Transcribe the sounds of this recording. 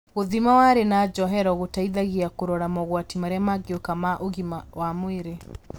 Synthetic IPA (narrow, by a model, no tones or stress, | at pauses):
ɣoðimawaɾenad͡ʒɔɦɛɾɔɣotaiðaɣiakoɾɔɾamɔɣwatimaɾeamaɡeokamaʔoɣimawamweɾe